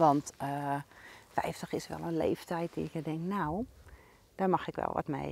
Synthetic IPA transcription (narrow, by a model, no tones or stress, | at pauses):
ʋɔntə | fɛjftəxɪsʋɛ̰lˠənlḛːftɛjt̚diɪkjədɪŋknaw | d̥amaxɪkʋɛ̰lˠʋɔ̰tmḛj